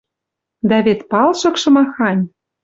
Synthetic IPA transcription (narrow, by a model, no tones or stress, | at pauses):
d̪ɑβet̪pɑlʃɤ̆kʃɤ̆mɑxɑnʲ